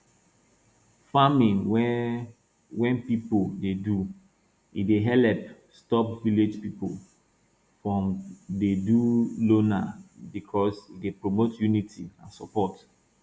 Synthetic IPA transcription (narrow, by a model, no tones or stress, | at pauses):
famĩnw | wɛ̃npipodedu | ideɦɛlɛp | stɔpviled͡ʒpipol | fɹɔ̃mdedulonabikʰɔsidepɹomotjunitʰiãnsɔpɔt